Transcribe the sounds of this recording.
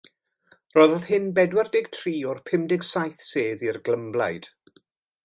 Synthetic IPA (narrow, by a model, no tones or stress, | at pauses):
rɔːðɔðhɪnbɛdwɛrdɪɡ̥̚tʰriːɔrpʰɪmdɪɡsajθseːðirɡləmblˠa̰jd̥